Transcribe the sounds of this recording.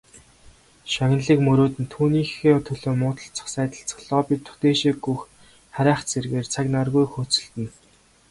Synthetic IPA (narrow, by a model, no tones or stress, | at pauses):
ʃɔɣʲnɮiːkmɵɾoːt̪ɘ̆nt̪ʰuːniːxeːt̪ʰɵɮoːmʊːt̪ə̆ɬt͡sə̥̆χsæːt̪ə̆ɬt͡s̆ɮɔːpʲit̪ʰːʊ̥t̪eːʃiɡux | χaɾʲæːχt͡sʰerɣeːrt͡sʰaknarɣujxuːt͡sɵ̆ɬt̪ɘ̆n